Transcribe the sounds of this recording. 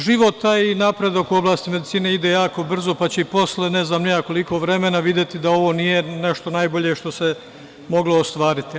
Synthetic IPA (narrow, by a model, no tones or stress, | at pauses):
ʒiʋo̞t̪ainapɾe̞d̪akuo̞blˠaːst̪ime̞d̪it̪siːne̞id̪e̞jaːko̞br̩zo̞pat͡ɕeipo̞slene̞znaːmneako̞liko̞ːʋɾe̞me̞naʋid̪jet̪id̪ao̞ʋo̞nije̞ne̞ʃt̪o̞najboʎe̞ʃt̪o̞se | mo̞ɡlˠoːst̪ʋaːɾit̪i